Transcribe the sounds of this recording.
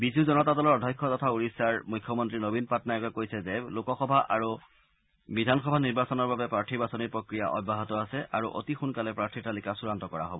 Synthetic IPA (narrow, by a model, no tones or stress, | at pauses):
bizuzɔnɔtatɔlɔɹɔdʱɔjkʰːɔtɔtʰauɹisaɹmujkʰːjɔmɔntɹinobinpatnaɛkɛkojsɛzɛlokɔxɔbʱaʔaɹu | bidʱanxɔbʱaniɹbasɔnɔɹbabɛpɹaɹtʰibasɔniɹpɹokɹijaʔɔ̰bːaɦɔtɔasɛʔaɹuʔo̰tixunkalɛpɹaɹtʰiɹtalikasuɹantɔkɔɹa̰ɦo̰bɔ